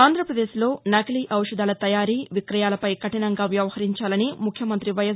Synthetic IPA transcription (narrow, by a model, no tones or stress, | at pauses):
aːnd̪ʱɾɐpɾɐd̪eːʃlo̞ːnaːkliːʔɐwʂɐd̪aːlɐt̪ɐjaːɾiːʋikɾɐjaːlɐpɐjkɐʈɐnɐŋɡaːʋjɐʋɐhɐɾiɲt͡ʃaːlɐnimukʰjɐmɐnt̪ɾiʋɐjɐ